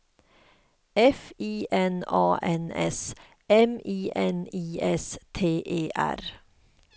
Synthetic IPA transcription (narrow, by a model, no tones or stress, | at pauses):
ʔɛfiːʔɛnɑːʔɛnɛ̰s | ɛmiːʔɛniːʔɛst̪ʰeːʔeːʔæ̰ɾ